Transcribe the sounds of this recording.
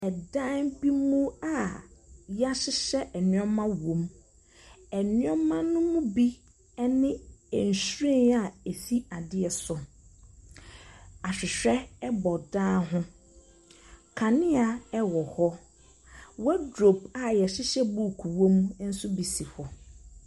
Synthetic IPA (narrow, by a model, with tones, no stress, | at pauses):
ɛ˨dã˦nbi˦mũ˦a˨ | ja˦ɕɪ˦ɕɛ˦ʔɛ˨nɪ̃˨˦ɔ˦mã˦wõ˨˦m | ɛ˨nɪ̃˦ɔ˦mã˦nʊ̃˦mʊ̃˦bi˦ | ɛ˦nɪ̃˦ɛ˨n̩˨sɾĩ˦˨na˨e˨si˦a˨dɪ˦ɛ˨sʊ˨ | a˨ɕᶣɪ˨ɕᶣɛ˦ɛ˦bɔ˨daː˦ɦʊ̃˦ | kʰa˨nɪ̃˦a˨ɛ˦wɔ˨hɔ˦ | wɔ˦dɾo˨ba˨jɛ˨ɕɪ˦ɕɛ˦bu˦˨kʰu˨wõ˦m˦n̩˦sʊ˦bi˨si˨hɔ˨